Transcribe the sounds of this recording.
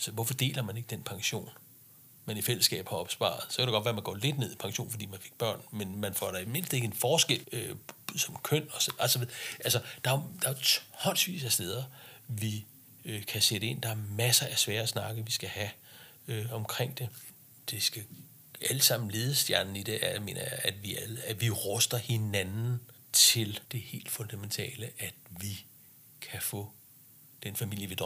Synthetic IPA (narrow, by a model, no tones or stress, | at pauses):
sɒʋɒfɒ̽d̥e̝̰ːlɐmæne̝ɡ̥əd̥enpʰɑ̈ŋɕo̝̰ːn | mænifel̰əsɡ̥ɛ̰ːb̥hɑ̈ɒ̽b̥sb̥ɑ̰̈ːð̩ˠsɒkæɾ̥ëɡɒ̽d̥ʋæːɐmænɡ̥ɒ̰ːle̝d̥ne̝ð̞̰ˠipʰɑ̈ŋɕo̝̰ːnfɒ̽dḭːmænfe̝ɡ̥̚b̥ɶɐ̰nmenmænfɒ̰ɾ̥ɑe̥me̝n̰sd̥̩e̝ɡ̥e̝nfɒːsɡ̥el̰øsɒ̽mkʰøn̰ɒ̽sæsɒʋeðˠʔælsɒd̥ɑ̈æd̥ɑ̈æt͡sʰhɒ̰̽sʋḭːsæsd̥eð̞ˠɐʋi | kʰæseɾ̥əe̝n̰d̥ɑ̈æɐmæsɐʔæsʋɛːɐsnɑ̈ɡ̥əʋisɡ̥æhæ | øɒ̽mkʰʁeŋ̰d̥e̝ | d̥e̝sɡ̥æ | æləsɑ̈m̰n̩le̝ːð̞ˠəsd̥jæɐnn̩id̥eʔæjɑme̝̰ːnɐjɑæd̥ʋiælæʋiʁɔsd̥ɐhe̝nænn̩ | t͡sʰe̝ld̥e̝he̝̰ːld̥fɔ̽nd̥æment͡sʰɛ̰ːləʔæd̥ʋi | kʰæfɔ̰̽ː | d̥enfæmil̰jəʋid̥ɒ